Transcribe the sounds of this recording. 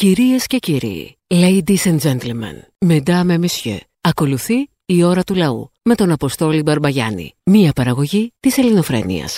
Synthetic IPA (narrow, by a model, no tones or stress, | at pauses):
ciɾie̞sce̞ciɾḭ | le̞id̪isɐnd͡ʒe̞nt̪lmɐ̰n | med̪ɐme̞misçø̰ | ɐko̞luθiː | o̞ɾɐt̪ulɐṵ | me̞t̪o̞nɐpo̞st̪o̞libɐɾbɐʝɐ̰nḭmiɐpɐɾɐɣo̞ʝit̪ise̞lino̞fɾe̞̰nḭɐ̰s